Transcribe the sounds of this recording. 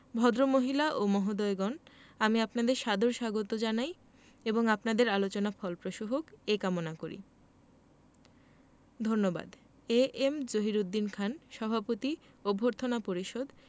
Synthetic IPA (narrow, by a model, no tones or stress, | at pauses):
bʱɔd̪ɾomoɦilaʔomɔɦod̪ɔeɡɔnamiapnad̪eɾʃad̪ʱoɾʃaɡot̪od͡ʑanaj | eboŋapnad̪eɾalot͡ɕonafɔlpɾoʃoɦokekamonakoɾḭ | d̪ʱonːoba̰d̪ | eemd͡ʑoɦiɾud̪ːinkʰanʃɔbʱapot̪i | obʱoɾt̪ʰonapoɾiʃod̪